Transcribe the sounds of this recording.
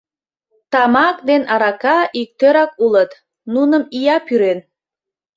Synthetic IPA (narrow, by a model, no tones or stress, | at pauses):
t̪ɑmɑkd̪enɑɾɑkɑʔik̚t̪øɾɑkulət̪ | nunəmijɑpyɾen